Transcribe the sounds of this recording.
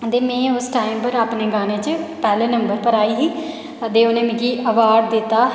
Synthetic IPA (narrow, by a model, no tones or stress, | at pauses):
d̪eːmẽːʊsʈaːɪmpəɾaːpneːɡaːneːt͡ʃəpɛːleːnəmbəɾpəɾaːiːɦiː | əd̪eːoːnẽːmɪ̃ɡiːʔəʋaːɾɖ̚d̪ɪt̪ːaː